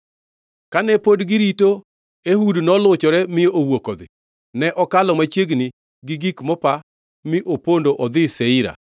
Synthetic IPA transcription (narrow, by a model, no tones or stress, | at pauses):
kanɛpodɡɪɾito | eɦudnɔlʊt͡ʃɔɾɛmɪjoʔowokod̪ɪ̰ | nɛʔɔkalɔmat͡ʃeɡnɪ | ɡɪɡikmɔpa | mɪʔopondoʔɔd̪ɪsɛɪɾa̰